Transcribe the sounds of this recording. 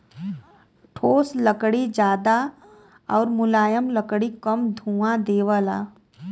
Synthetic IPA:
ʈʰoːsləkɽid͡ʒaːd̪a | ɔːɾmʊlaːjəmləkɽikəmd̪ʱũːãd̪eːʋəla̰ː

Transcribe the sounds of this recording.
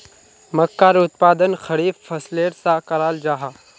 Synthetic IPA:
mɐkːaːɾʊt̪̚paːd̪ənxɐɾiːffɐsleːɾsakɐɾaːld͡ʒaːɦa

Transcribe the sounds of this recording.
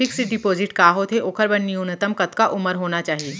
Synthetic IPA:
ɪksiɖɪpoːzɪʈkaːɦot̪ʰeʔoːkʰəɾbɐnːiʊnət̪əmkɐt̪kaʔʊməɾɦoːnat͡ʃaːɦieː

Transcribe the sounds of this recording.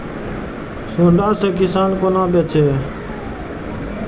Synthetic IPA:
sõːɳɖaːsekɪsaːnkonãːpet͡ʃʰeː

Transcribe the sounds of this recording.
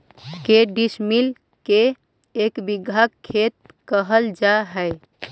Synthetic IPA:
keɖismil | keː | kbiɡʱakʰːet̪̚ | kəɦəld͡ʒaɦəɪ

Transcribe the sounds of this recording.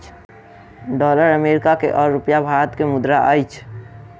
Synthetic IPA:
ɖɔːləɾəmeːɾɪkakḛʔɔːɾːʊpjabʱaːt̪kemʊd̪ɾaʔə̰jt͡ʃʰ

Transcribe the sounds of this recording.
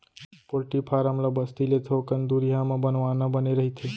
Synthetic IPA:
poɾʈipʰaːɾəmlabəst̪ilet̪ʰokənd̪uɾijamãbənʋanəbəneɾəɦit̪ʰe

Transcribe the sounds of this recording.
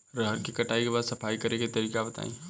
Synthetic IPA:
ɾəɦəɾkikɐʈaːikebaːd̪sɐpʰaːikɐɾeket̪ɐɾiːkabɐt̪a̰ḛ̃

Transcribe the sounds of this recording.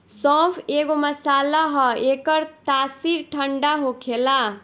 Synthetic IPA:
sɔ̃pʰeɡoməsalaɦʌekʌɾt̪asiɾʈʰəɳɖaɦokʰela

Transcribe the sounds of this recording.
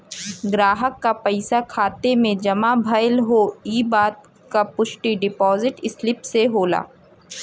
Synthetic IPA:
ɡɾaːɦəkːapɐɪsakʰaːt̪emẽd͡ʒɐmabʱɐjlɦoiːbaːt̪̚ | kapʊʃʈiɖɪpɔːzɪʈɪslɪpseɦoːla̰ː

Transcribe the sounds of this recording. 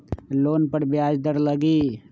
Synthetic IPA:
loːnpəɽbjaːd͡ʒd̪əɾləɡiː

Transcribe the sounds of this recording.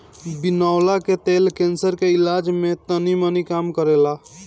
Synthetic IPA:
binaʊlaket̪elkẽnsəɾkeɪlaːd͡ʒmẽt̪ənimənikaːmkəɾela

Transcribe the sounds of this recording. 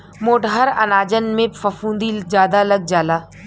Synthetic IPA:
moːʈɦəɾɐ̰naːd͡ʒənmẽfɐfũːnd̪id͡ʒjaːd̪aləɡ̚d͡ʒaːlaː

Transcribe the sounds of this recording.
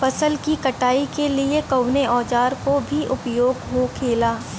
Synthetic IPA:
fɐsəlkikɐʈaːikeliekɐʊneɔːd͡ʒaːɾkobʱiʔʊpjoːɡɦokʰeːlaː

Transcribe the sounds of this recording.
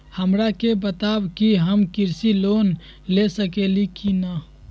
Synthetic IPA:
həmɾakebət̪abkiɦəmkiɾsilon | lesəkelikinə

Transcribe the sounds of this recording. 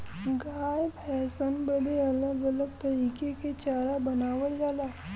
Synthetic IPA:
ɡaːjbɛːsənbəd̪eɐləɡələɡ̚t̪ɐɾiːkeket͡ʃaːɾabɐnaːʋəld͡ʒaːlaː

